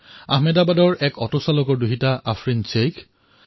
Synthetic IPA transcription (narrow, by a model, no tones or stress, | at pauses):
a̰ɦmɛdabadɔɹʔɛkɔtɔsalɔkɔɹduɦitaʔafɹint͡ʃejkʰ